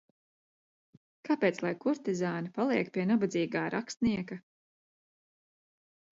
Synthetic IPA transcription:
kapeːt̪slˠajkuɾt̪izaːnɐpalˠiɛkpiɛnabad̪ziːɡaːɾʔakst̪niɛkɐ

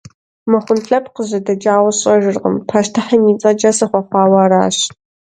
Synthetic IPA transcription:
mɨχʷʊnɬʼɐp̚ʰqəʑɐdɐd͡ʒaːwɐɕʼɐʒɨrʁə̰mpʰaːʃtʰɨħaniːt͡sʼɐd͡ʒɐsɐχʷɐχʷɑːwaːɾa̰ːɕ

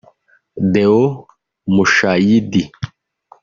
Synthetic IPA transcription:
d̪eo | muʃajid̪i

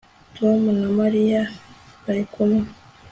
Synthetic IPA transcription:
tuamunamaɾijakaɾikumu

